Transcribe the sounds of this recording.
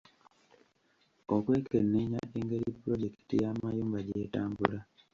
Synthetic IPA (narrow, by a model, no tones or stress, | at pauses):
okwe̞ːkenːeɲaeŋɡe̞ɾipːuɾo̞ɟe̞ki̥tijamajuːmbaɟe̞ːtaːmbṵla